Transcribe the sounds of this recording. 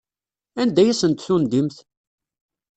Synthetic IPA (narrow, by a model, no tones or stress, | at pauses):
ænd̪æjæsənt̪θund̪imθ